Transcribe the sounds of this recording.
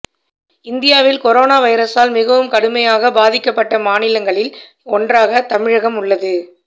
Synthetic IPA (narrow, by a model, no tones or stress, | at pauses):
ɪnd̪ɪjaːʋɪlkɔɾoːnaːʋɐɪɾɐsaːlmɪɣɐʋɯmkɐɽɯmɐjaːɣɐbaːðɪkːɐpːɐʈːɐmaːnɪlɐŋɡɐɭɪl | ɔndraːɣɐt̪ɐmɪɻɐɣɐmʊɭːɐðɯ